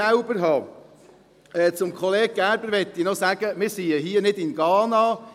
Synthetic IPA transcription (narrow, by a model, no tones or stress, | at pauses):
aʊbəɾɦɑː | ɛːt͡sʊmkχɔleːɡ̚ɡ̥æɾbəɾʋɛt̪ːɪnɔsæɡ̥əmɪɾsiːəɦiːənɪdɪnɡ̥ɑːnɑː